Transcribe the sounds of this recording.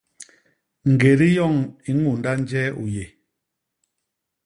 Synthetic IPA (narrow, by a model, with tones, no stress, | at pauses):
ŋ̩˨ɡe˨ɾi˦jɔ˦˨ŋi˨ŋu˨nda˦n˦d͡ʒɛː˦u˨je˨